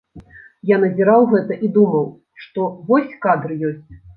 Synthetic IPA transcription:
janɐzʲiɾawɣɛt̪ɐʔid̪umɐw | ʂt̪ɔvɔsʲkad̪ɾɨjɔsʲt͡sʲ

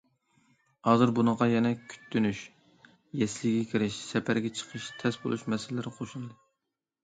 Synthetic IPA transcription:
hɑːzɨɾbunɨʁɑjɛnɛkʲʰy̥t̪ʰːynyʃ | jɛslɪɡʲɛkʲʰiɾɪʃsɛpʰæɾɡʲɛt͡ʃʰə̥qʰəʃt̪ʰɛsbo̰lˠṵʃmɛsɪlɪlɪɾqʰoʃulˠɨd̪ɨ

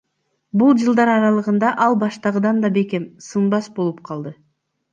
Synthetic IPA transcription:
bulˠd͡ʒɯlˠd̪ɑɾɑɾɑlˠɯʁɯnd̪ɑʔɑlˠbɑʃt̪ɑʁɯd̪ɑnd̪ɑbe̞ke̞msɯnbɑsbo̞lˠup̚qʰɑlˠd̪ɯ

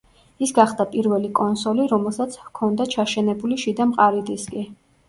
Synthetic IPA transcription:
isɡaχd̪apʼiɾvɛlikʼɔnsɔliɾɔmɛlˠsat̪sʰvkʰɔnd̪at͡ʃʰaʃɛnɛbuliʃid̪amqʼaɾid̪iskʼi

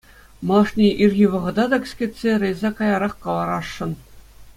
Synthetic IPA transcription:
mɑʂnʲeʔirʲɣʲiʋɤ̆ʁɤ̆d̪ɑd̪ɑkʲsʲkʲet̪ʲsʲerʲĕjzʲɑkɑjɑɾɑχkɑlˠɑɾɑʂːɤ̆n

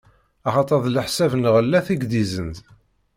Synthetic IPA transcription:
ɑχɑt̪ˤɑðˤləħsævnʁəlːæθiɡd̪izənt̪

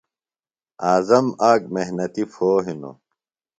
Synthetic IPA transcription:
aːzɐmaːɡ̚meɦnɐt̪ifoːɦino̰

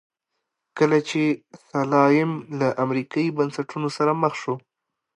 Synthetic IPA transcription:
kəlat͡ʃesalɑjɪmlaʔamɾikɑibansaʈunosaɾaməxʃo

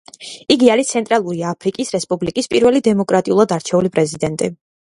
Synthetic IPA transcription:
iɡiaɾit̪sʰɛnt̪ʼɾalˠuɾiaːpʰɾikʼisɾɛspʼublikʼispʼiɾvɛlid̪ɛmɔkʼɾat̪ʼiulˠad̪aɾt͡ʃʰɛulipʼɾɛzid̪ɛnt̪ʼi

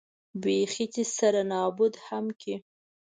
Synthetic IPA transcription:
bexit̪isaɾanɑbʊd̪hamkʰi

